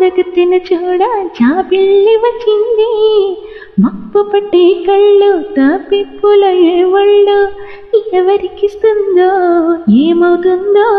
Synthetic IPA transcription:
d̪ɐkɐt̪ːinɐt͡ʃoːɽɐd͡ʒaːbilːiʋɐt͡ʃːind̪i | mɐpːɐpɐʈːekɐɭːut̪ɐpepːolɐɭːeʋɐɭːu | ijɐʋɐɾikːist̪ɯnd̪oːeːmɐwt̪und̪o

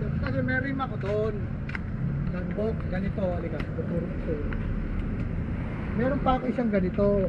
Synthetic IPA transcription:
kɐs̬ɛmɛɾojmɐkod̪oʔon | nɐŋbokɡɐnɪt̪o̞ʔɐlɪɡasɐd̪op̪uɾoʔsɛ | mɛːɾonpɐɐkoʔɪsaŋɡɐnɪt̪o

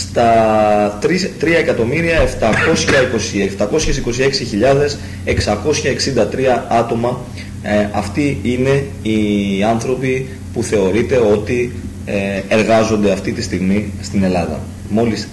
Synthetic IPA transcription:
st̪ɐt̪ɾit̪ɾiɐekɐt̪o̞miɾiɐe̞ft̪ɐko̞sçɐiko̞sieft̪ɐko̞sçe̞siko̞sie̞ksiçiʎɐðe̞s | e̞ksɐko̞sçɐe̞ksind̪ɐt̪ɾiɐɐt̪o̞mɐ | ɐft̪iine̞ | iɐnθɾo̞pi | puθe̞o̞ɾit̪e̞o̞t̪i | e̞ɾɣɐzo̞nd̪e̞ɐft̪it̪ist̪iɣmist̪ine̞lɐðɐ̰ | mo̞lis

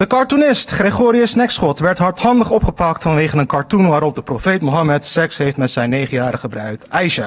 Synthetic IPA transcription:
d̥əkɑɹtunɪstχreχoːɾiəsnɛksχɔtʋɛɹtɦɑɹtɦɑndəχɔpχəpɑktfɑnʋejχənənkɑɹtunʋaːɾɔp̚dəprowfejtmoɦɑmɛtsɛksɦejftmɛtsɛjnejχənjaːɾəχəbrœɥtɛjʃa

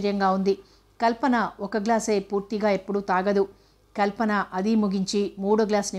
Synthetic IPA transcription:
ɾjɐŋɡaːund̪i | kɐlpɐnɐɔkɐɡlaːse̞ːpuːɾt̪iɡaːe̞pːuɽut̪aːɡɐd̪u | kɐlpɐnɐʔɐd̪imuɡiɲt͡ʃimuːɽuɡlaːsni

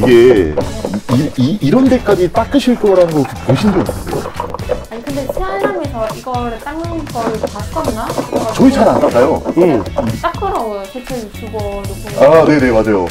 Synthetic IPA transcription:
iɡe̞ | iiːɾʌnde̞k͈ad͡ʑit͈ak͈ɯɕʰiɭk͈ʌɾanɡokekeɕʰindokdeoaɲikɯnde̞sʰeaɾamesʰʌiɡʌɾɯɭt͈aŋɯk͈ʌɾɯpat͈amat͡ɕʌit͡ɕʰaɾandak͈ajoit͈ak̚k͈ʌnajosʰet͡ɕ͈ʰejut͈ʰuɡʌdk͈oane̞ne̞mad͡ʑajo

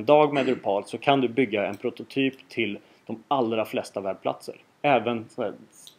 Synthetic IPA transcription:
nd̪ɑːɡmɛːd̪ɵpʰɑːlsɔkʰand̪ɵbʏɡːaɛ̰npʰɾʊt̪ʊt̪ʰyːpt̪ʰɪl | d̪̥ɔmalɾaflɛst̪avæɖ̚pʰla̰t̪sə̰ɾ | ɛːvənsæ

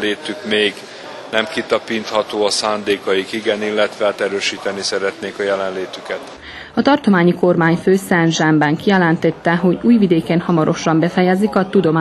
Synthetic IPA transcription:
leːt̪ykmeːɡ | nɛmkit̪ɒpiːnt̪hɒt̪oːɒsaːnd̪eːkɒjikiɡɛnilːɛt̪ʋɛaːt̪ɛɾøːʃiːt̪ɛnisɛɾɛt̪neːkɒjɛlɛnleːt̪ykɛt̪ | ɒt̪ɒrt̪o̞maːɲiko̞rmaːɲføːsɛnʒɛmbɛŋkijɛlɛnt̪ɛt̪ːɛɦo̞ɟuːjvid̪eːkenhɒmɒɾʔo̞ʃɒmbɛfɛjɛzikɒt̪ud̪o̞maː

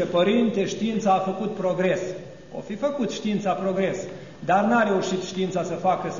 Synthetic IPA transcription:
epəɾint̪e̞ʃt̪iint̪saːfəkut̪̚pɾo̞ɡɾe̞s | o̰fifəkut̪ʃt̪iint̪sapɾo̞ɡɾe̞s | d̪arnaɾe̞uʃit̪ʃt̪iint̪sasəfakə

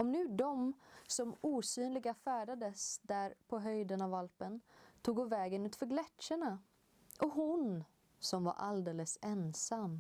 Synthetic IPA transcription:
ɔmnʉ̟ːd̪ɔmsɔmuːsyːnlɪɡafæːɖad̪əsd̪æɾpʰɔɦœjd̪ənavalpənt̪ʰuːɡʊvɛːɡənʉ̟ːt̪fœɾɡlɛtʂəɳa | ʔɔɦʊn | sɔmva̰ɾʔa̰ld̪eːləsɛnsamː

